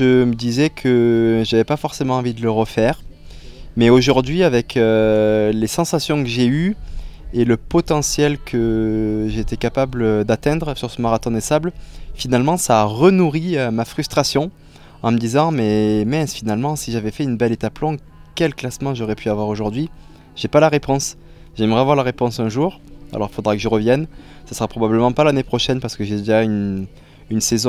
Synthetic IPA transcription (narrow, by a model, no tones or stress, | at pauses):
ʒəməd̪izɛkʰəʒavɛpafɔʁsemɑ̃ɑ̃vid̪ələʁəfɛːʁ | mɛoʒuʁd̪ɥiavɛkʰølesɑ̃sasjɔ̃kəʒey | eləpɔt̪ɑ̃sjɛlkʰəʒeːt̪ɛkapabləd̪at̪ɛ̃d̪ʁsyʁsəmaʁat̪ɔ̃d̪esablfinalmɑ̃saʁənuʁiømafχyst̪χasjɔ̃ | ɑ̃məd̪izɑ̃mɛmɛsfinalmɑ̃siʒavɛfɛynbɛlet̪aplɔ̃ | kʲɛlklasmɑ̃ʒɔʁɛpʰyavwaʁoʒuʁd̪ɥi | ʒ̥epalaʁepɔ̃s | ʒɛməʁɛavwaʁlaʁepɔ̃sɛ̃ʒuʁ | a̰lɔʁilfod̪ʁakəʒəʁəvjɛnsḁsəʁapχɔbabləmɑ̃palanepχɔʃɛnpaʁsə̥kəʒed̪eʒayn | ynsezɔ̃